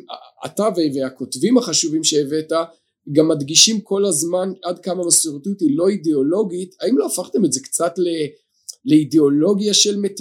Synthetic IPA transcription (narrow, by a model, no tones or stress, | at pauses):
a̰a̰taveveako̞tvimhaχaʃuvimʃe̞ːve̞ta | ɡamːadɡiʃimko̞lazmanadkamamasoʁitutilo̞ideo̞lo̞ɡitaimlo̞afaχt̪e̞mezekt͡satle | le̞ideo̞lo̞ɡjaʃelmet